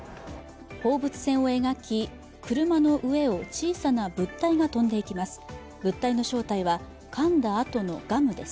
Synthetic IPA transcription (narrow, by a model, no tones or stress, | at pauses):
ho̞ːbɯ̟t͡sɨ̥sẽ̞ɰ̃o̞e̞ɡakʲi | kɯ̟ɾɯ̟mano̞ʔɯ̟e̞o̞t͡ɕiːsanabɯ̟t̪ːaiɡat̪õ̞nd̪e̞ikʲimasɨ̥ | bɯ̟t̪ːaino̞ɕo̞ːt̪aiβa | kʰãnd̪aːt̪o̞no̞ɡ̥amɯ̟d̪e̞sɨ̥